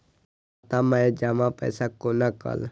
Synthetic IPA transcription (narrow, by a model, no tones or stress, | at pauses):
t̪amãed͡ʒaːmãpɛ̰ːsakonakə̰l